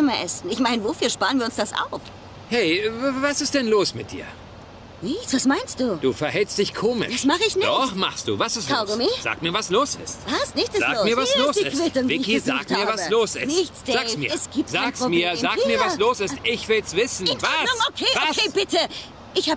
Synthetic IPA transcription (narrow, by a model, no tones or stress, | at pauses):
ɪmɐʔɛsn̩ɪçmaɪnəvofyːɐʃpaːʁənviɐʊnsd̥asʔa̰ʊf | hɛɪvasɪst̚d̥ɛnloːsmɪt̚d̥ḭːɐ | nɪçt͡sv̥asmaɪnst̚d̥uːd̥uːfɛɐɦɛlstd̥ɪçkʰoːmɪ̰dʃasmaχəɪçnɪdɔχma̰χst̚d̥ṵːvasɪstaɡomiz̥a̰ːk̚tmiːɐvasloːsɪ̰stvaɪsnɪçtɛzaːmiːɐvasloːsd̥iɪ̰kv̥ɪtʊŋvɪiɪçkiza̰ːk̚thmiːɐvasəloːsɪ̰snsɪçt͡sd̥aːksmiːɛsɡ̥iːp̚zaːksomiːɐɐzaːkːmiːɐvasloːsɪstʔɪçv̥ɪlsv̥ɪsn̩vasʊŋokʰeːvaseːb̥ɪtə | ʔɪçhaː